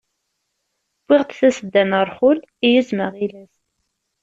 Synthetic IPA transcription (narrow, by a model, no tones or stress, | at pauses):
b̥ːɪʁt̪θæsəd̪ːænəɾˤχʊlijizməʁilæs